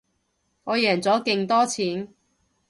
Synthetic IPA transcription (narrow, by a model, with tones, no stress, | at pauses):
ŋɔː˨˧jɛː˨˩nt͡sɔː˨˥kɪ˧ŋt̪ɔː˥t͡sʰiː˨˥n